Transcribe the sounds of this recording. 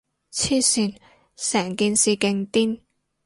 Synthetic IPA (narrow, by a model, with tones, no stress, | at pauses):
t͡sʰiː˥siː˨˩n | sɛː˨˩ŋkiː˨nsiː˨˩kɪ˧ŋt̪iː˥n